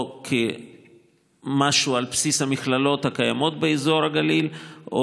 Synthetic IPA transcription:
kʰe | maʃualpsishamiχlalo̞t̪hakaja̰mo̞t̪̚beezo̞ɾhaɡalilʔo

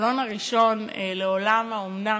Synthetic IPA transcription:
lo̞naʁiʃo̞n | leo̞lamaomna

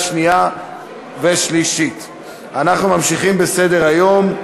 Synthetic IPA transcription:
ʃnija | veʃliʃit | anaχnumamʃiχimbese̞deʁajo̞m

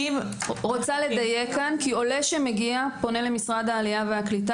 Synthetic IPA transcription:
iʁot͡sale̞d̪ajekːankio̞leʃemeɡiapo̞ne̞lemisʁad̪haːlijaveaklita

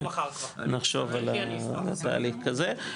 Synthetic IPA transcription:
naχʃo̞valalat̪a̰ːliχkaze

